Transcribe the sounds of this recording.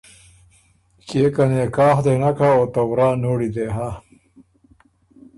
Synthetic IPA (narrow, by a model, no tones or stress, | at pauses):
kekɐneːkaːxd̪enɐkʰaoːt̪ɐwɾaːnoːɽid̪eɦa